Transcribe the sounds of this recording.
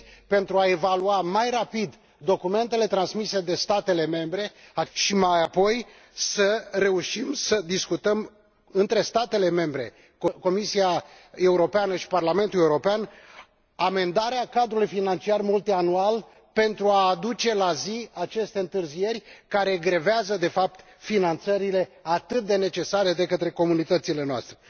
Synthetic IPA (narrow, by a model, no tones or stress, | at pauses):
pe̞nt̪ɾuaevaluamajrapid̪ː | o̞kume̞nt̪e̞le̞t̪ɾansmise̞d̪e̞st̪at̪e̞le̞me̞mbɾe̞aʃimajapo̞j | səre̞uʃimsəd̪iskut̪əm | ɨnt̪ɾe̞st̪at̪e̞le̞me̞mbɾe̞̰ | koko̞misia | e̞uɾo̞peanəʃi̥parlame̞nt̪uleuɾo̞pean | ame̞nd̪aɾeakad̪ɾulujfinant͡ʃiarmult̪ianual | pe̞nt̪ɾuaːd̪ut͡ʃe̞laziat͡ʃe̞st̪e̞ɨnt̪ɨrzije̞rʲkaɾe̞ɡɾeveazəd̪e̞fap̚t̪ | finant̪səɾile̞at̪ɨt̪̚d̪e̞ne̞t͡ʃe̞saɾe̞d̪e̞kət̪ɾe̞ko̞munit̪ət̪sile̞noa̰st̪ɾe